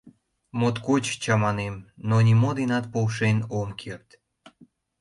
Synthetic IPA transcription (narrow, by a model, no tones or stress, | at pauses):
mot̪kot͡ɕt͡ɕɑmɑnemnonʲimod̪enɑt̪̚powʃenomkʰert̪